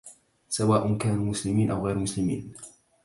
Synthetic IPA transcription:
sawaːʔʊnkaːnuːmʊslɪmiːnʔawɣɛjɾmʊslɪmḭːn

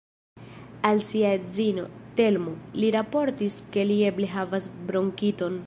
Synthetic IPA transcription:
alsiaezino̞̰te̞lmoliɾapo̞ɾtiske̞lie̞ble̞ɦavasbɾo̞ŋkito̞n

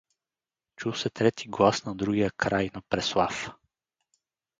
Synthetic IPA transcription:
t͡ʃuwsɛt̪ɾɛt̪ʰiɡlˠasnɐd̪ɾuɡijəkɾajnɐpɾɛslˠaf

